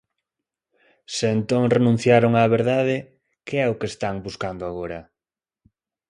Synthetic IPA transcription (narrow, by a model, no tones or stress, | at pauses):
sɪːnt̪oŋrenũn̟θjaɾoŋaːβeɾðaðɪ | keɛʊkest̪aŋbuskand̪ʊaɣoɾɐ